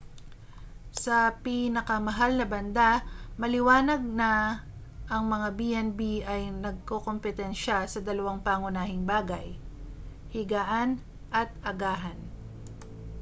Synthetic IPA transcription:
sɐpiːnɐkɐmɐɦalnɐbɐnd̪amɐlɪwaːnɐɡ̚nɐ | ʔɐŋmɐŋabiʔɛnbiʔɐjnɐɡ̚koko̞mpɛt̪ɛnʃasɐd̪ɐlɐwaŋpaŋʊnaːhɪŋbaːɡɐj | hɪɡaːʔan | ʔɐt̪̚ʔɐɡaːɦɐn

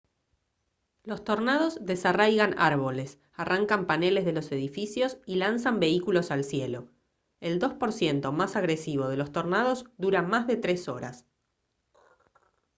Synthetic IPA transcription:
lo̞st̪o̞ɾnað̞o̞zðesarajɣana̰ɾβ̞o̞les | arʔaŋkampane̞lezð̞e̞lo̞se̞ðifisjo̞silans̬ambe̞ikulo̞salsjelo̞ | eld̪o̞spo̞ɾsje̞nt̪o̞masaɣɾesiβ̞o̞ð̞e̞lo̞st̪o̞ɾnað̞o̞zd̪uɾamazðe̞t̪ɾe̞so̞ɾa̰s

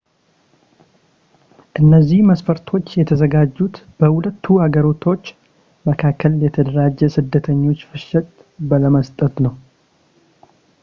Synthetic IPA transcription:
ʔɨnːəzːihməsfəɾt̪ʰo̞t͡ʃːjɛt̪ʰəzəɡad͡ʒːut̪ | b̥əhulət̪ʰːuaɡəɾo̞t̪ʰo̞t͡ʃː | məkʰakʰːəljɛt̪ʰəd̪əɾad͡ʒːɛsɨd̪ːət̪ʰəɲːo̞t͡ʃːfɨʃɛt̪ʼ | bələməst̪ʼət̪nəw

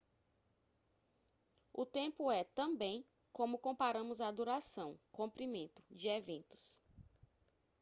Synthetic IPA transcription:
ʊt̪ẽmpʊɛt̪ɐ̃mbẽj̃ | kõmʊkõpaɾɐ̃mʊzad̪uɾasɐ̃w̃kõpɾimẽnt̪ʊ̥d͡ʒɪevẽnt̪ʊ̥s

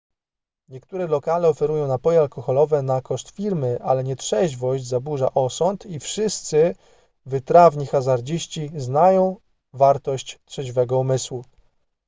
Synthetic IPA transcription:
ɲɛkt̪uɾɛlɔkalɛɔfɛɾujɔ̃w̃napɔjɛalkɔxɔlɔvɛnakɔʂt̪fʲiɾmɘʔalɛɲɛtʂɛʑvɔɕd͡ʑzabuʐaʔɔsɔnt̪ifʂɘst̪sɘ | vɘt̪ɾavɲixazaɾd͡ʑiɕt͡ɕiznajɔ̃w̃ | vaɾt̪ɔɕt͡ɕtʂɛʑvɛɡɔumɘswu

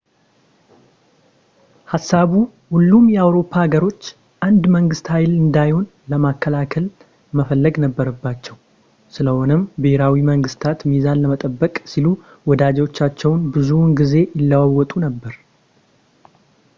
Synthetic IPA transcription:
hasːaβu | hulːumjɛawɾo̞pʰːaaɡəɾo̞t͡ʃː | ʔand̪məŋɡɨst̪hajlɨnd̪ajho̞n | ləmakːəlakʰəl | məfəlːəɡnəbːəɾəbːat͡ʃːɛw | sɨləho̞nəmbɨheɾawiməŋɡɨst̪ʰat̪mizanləmət̪ʼəbːəkʼsilu | wɔd̪ad͡ʒwot͡ʃːat͡ʃːɛwnbɨzunɡize̞jɪlːawawːɔt̪ʼunəbːəɾ

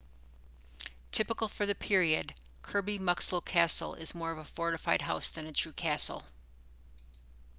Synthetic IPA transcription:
tʰɪpəkl̩ˠfə˞ðɨpʰɪɹiɨ̰d̚ | kʰɜ˞bimʌksloʊkʰæsl̩ˠɪ̰zmɔɹʌvəfɔɹɾɨfaɪd̚ɦaʊsðɨ̃nɨtʰɹ̥ʉkʰæsl̩ˠ

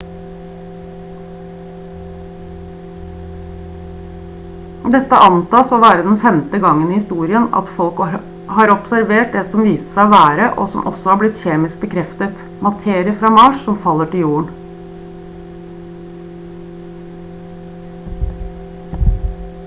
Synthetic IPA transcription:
d̪ɛt̪ːə̰ʔɑnt̪ɑːsoːʋæːɾəd̪ɛnfɛmt̪əɡɑŋːəniːhɪst̪uːɾɪənɑ̰t̪fɔlk | hɑːɾɔpsæɾʋeːʈ̚d̪ɛsɔmʋiːsə̥sæɪɔʋæːɾəʔo̰sɔ̰mʔɔ̰sɔhɑɾblɪt̪çeːmɪsk̚bəkʰɾɛft̪ət̪ | mɑt̪ʰeːɾɪəfɾɑːmɑːʂsɔmfɑlːəʈɪljuːəɳ

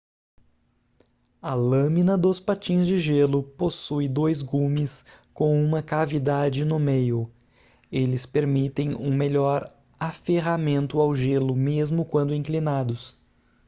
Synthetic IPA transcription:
ɐlɐ̃mĩnɐd̪ʊspat͡ʃĩzd͡ʒɪʒelʊposujd̪ojzɡũmɪskõw̃ũmɐkavid̪ad͡ʒɪnʊmejʊ | elɪspeɾmit̪ẽj̃ṵ̃meʎɔɾ | afeɣamẽnt̪ʊawʒelʊmezmʊkwɐ̃nd̪ʊĩŋklinad̪ʊs

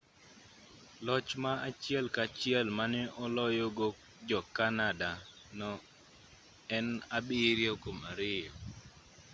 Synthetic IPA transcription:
lɔt͡ʃmaat͡ʃɪɛlkat͡ʃɪɛlmanɛʔɔlɔjoɡok | d͡ʒɔkanada | nɔ | ɛnabɪɾjokomaɾɪjɔ

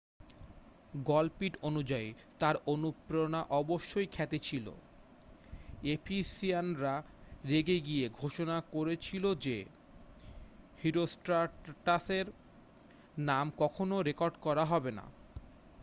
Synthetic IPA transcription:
ɡɔlpiʈonud͡ʑai | t̪aɾonupɾonaʔɔboʃːojkʰɛt̪et͡ɕʰilo̰ | epʰisianɾa | ɾeɡeɡieɡʱoʃonakoɾet͡ɕʰilod͡ʑe | hiɾosʈaʈaseɾ | namkɔkʰonoɾekoɾɖkɔɾaɦɔbena̰

